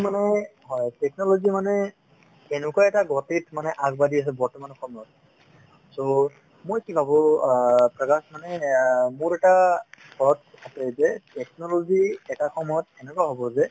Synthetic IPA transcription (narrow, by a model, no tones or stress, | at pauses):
manɛɦɔjtɛknɔloɡimanɛ | enʊkuaɛtaɡɔtitʰmanɛʔaɡbadias̬ɛbɔɹtɔmanɔkʰɔmɔjɔt̚ | so | mojkibʱabɔ | pɹɔkasmanɛmʊɹɛʈabʰʱɔɔtapezɛtɛknɔloɡiɛkakʰɔmɔjɔtɛnɛkɔaɦɔbɔzɛ